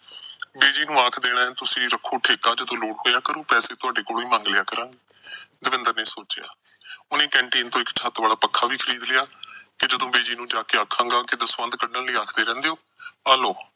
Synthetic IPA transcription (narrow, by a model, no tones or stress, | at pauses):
beːd͡ʒiːnũːaːkʰd̪eːɽ̃ãːɛ̃ːt̪ʊsĩːɾəkʰːoːʈʰeːkaːd͡ʒəd̪õːloːɽɦoːjaːkəɾuːpɛːseːt̪ʊaːɖeːkoːlʋiːmãːŋɡlɪjaːkəɾãːɡe | d̪ɪʋɪ̃nd̪əɾnĩːsoːt͡ʃja̰ːʊnẽːkɛ̃ːɳʈiːnt̪õːɪkt͡ʃʰat̪ʋaːlaːpəkʰːaːʋiːkʰəɾiːd̪lɪjaːkɪd͡ʒəd̪õːbeːd͡ʒiːnũːd͡ʒaːkeːaːkʰãːŋɡaːkɪd̪əsʋənd̪kəɖnəlləːaːkʰd̪eːɾɛ̃ːnd̪eːoː | aːloː